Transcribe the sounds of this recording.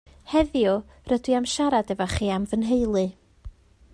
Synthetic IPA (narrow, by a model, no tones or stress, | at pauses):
hɛðjɔ | rədwiamʃaɾadɛvaχiːamvənɦejlˠɨ